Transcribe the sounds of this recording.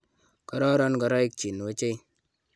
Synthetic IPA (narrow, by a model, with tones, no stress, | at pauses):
kɔ˨˦ɾɔ˦ɾɔ˦nkɔ˨ɾɔ˦i˦k̚t͡ʃi˨n˨wo˦t͡ʃe˦j